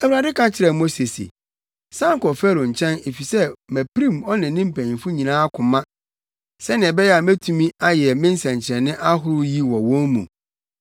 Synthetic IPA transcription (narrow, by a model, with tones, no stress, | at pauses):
æ˨wu˨ɾa˨dɪ˦kʰã˦t͡ɕʰɪ˨ɾɛ˨mo˦se˨sḛ˨ | sã˦ŋ˦kɔ˨fɛ˦ɾo˨ɲ̩˨t͡ɕʰɛ̃˦ne˨fi˨sɛ˦mæ˨pɾĩ˦˨mɔ˦nɪ̃˨˦nɪ̃˦m̩˦pʰæ̃˨fʊ˦ɲĩ˨nãː˦a˦kʰʊ̃˨mã˦ | sɛ˦nɪ̃˨ɛ˨bɛ˦jɛ˦a˨mæ˦tʰũ˦mĩ˦a˦jɛ˨mɪ̃˦n̩˦sɛ̃˨ɲ˨t͡ɕʰɪ˨ɾɛ˨nɪ̃˦ʔa˦ɦʊ˦ɾʊ˦ji˦wɔ˨wɔ̃˦nmṵ̃˨